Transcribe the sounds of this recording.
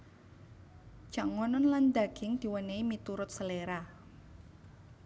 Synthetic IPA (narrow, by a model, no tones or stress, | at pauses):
t͡ʃaŋɔnɔnland̪aɡ̥ɪŋd̪̥i̤wəneimit̪uɾʊt̪̚səleɾa